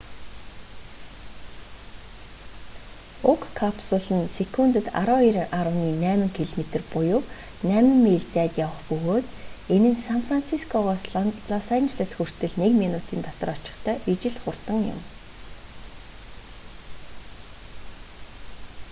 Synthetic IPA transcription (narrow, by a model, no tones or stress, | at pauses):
ʊkʰːapsʊɮɘ̆nsekʰunt̪ə̆t̪a̰ɾɔːiɾaɾə̆wniːnæːmə̆ŋkʰeɮmet̪ə̆rpʊjʊː | næːmɘ̆mːeːɮt͡sæːt̪jawə̆χpɵɣoːt̪enɘ̆nsanfran̥t͡sʰiskʰɔɮɔsant͡ɕɮasxur̥t̪ɘ̆ɮnekminut̪iːnt̪ɔt̪ɞ̆rɔt͡ɕɪ̆χt̪ʰœːʔit͡ɕɪ̆ɮχʊrt̪ə̆ŋjʊ̰m